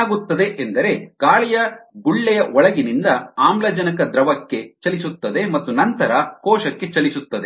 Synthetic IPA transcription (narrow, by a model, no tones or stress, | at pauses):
ɡut̪ːɐd̪e̞ʔend̪ɐɾe̞ɡ̥aːɭijɐɡuɭːɛjɐʔɔɭɐɡinind̪ɐaːmlɐd͡ʒɐnɐkɐd̪ɾɐʋɐkːe̞t͡ʃɐlisut̪ːɐd̪e̞mɐt̪ːunɐnt̪ɐɾɐkɔːʃɐkːe̞t͡ʃɐlisut̪ːɐd̪e